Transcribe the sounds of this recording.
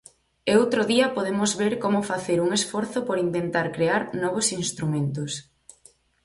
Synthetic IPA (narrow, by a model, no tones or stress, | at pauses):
eowt̪ɾoðiɐpoðemʊzβeɾkomʊfaθeɾuŋesfɔɾθʊpoɾint̪ent̪aɾkɾeaɾnɔβ̞osinst̪ɾumẽnt̪ʊs